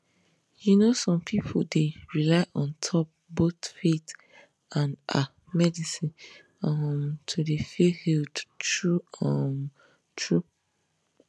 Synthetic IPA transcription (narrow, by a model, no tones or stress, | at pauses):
junosɔ̃mpʰipʰodeɹilaɪʔɔ̃ntʰɔp̚botfet | ʔãnʔa | mɛdisĩn | ɔmtʰudefehildtɹuam | tʰɹu